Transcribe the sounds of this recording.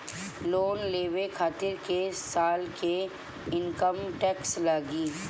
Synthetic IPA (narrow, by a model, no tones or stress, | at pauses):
loːnleːʋekʰaːt̪ɪɾkesaːlke | ɪnkəmʈɛːkslaːɡiː